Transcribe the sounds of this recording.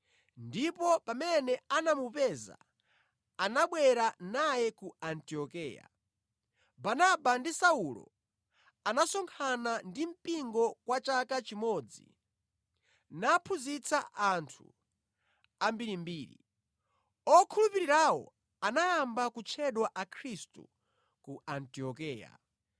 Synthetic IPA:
ndipɔpamɛnɛanamupɛza̰ | anaɓwɛɾanajɛkuantiɔkɛːja̰ | banabandisaulɔ̰ | anasɔŋkʰanandim̩piŋɡɔkwat͡ʃakat͡ʃimɔːd͡zḭ | napʰuzit͡saʔantʰṵ | ambiɾimbiːɾḭ | ɔkʰulupiɾiɾawɔ̰ | anajambakut͡ʃʰɛɗwaʔakʰɾistṵ | kuantiɔkɛːja̰

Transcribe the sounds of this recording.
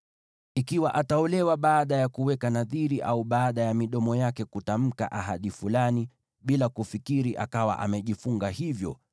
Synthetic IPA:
ikiwaʔataɔlɛwaɓaːɗajakuwɛkanaðiɾiʔauɓaːɗajamiɗɔmɔjakɛkutam̩ka̰ʔaɦaɗifulani | ɓilakufikiɾiʔa̰kawa̰ʔa̰mɛʄifuŋɡahivjɔ̰

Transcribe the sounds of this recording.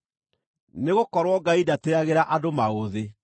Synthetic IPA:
neɣokɔɾwɔɡaidateaɣeɾaʔadomaɣoðe

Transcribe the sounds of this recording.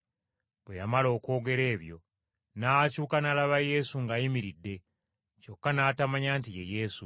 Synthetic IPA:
βwejamalo̞ːko̞ːɡe̞ɾe̞ːβjo̞̰ | nacuːkanalaβaje̞suŋɡajimiɾidːe̞ | co̞kːanaːtamaɲaːntijḛje̞su

